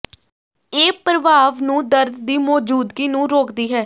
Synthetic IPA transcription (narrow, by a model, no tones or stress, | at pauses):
eːpɾəʋaːʋnũːd̪əɾd̪d̪iːmɔːd͡ʒuːd̪ɡiːnũːɾoːkd̪iːɦɛː